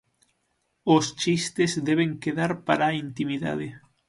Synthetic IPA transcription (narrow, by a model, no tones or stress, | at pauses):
ost͡ʃist̪ezd̪ɛβ̞eŋkeðaɾpaɾaint̪imiða̰ðɪ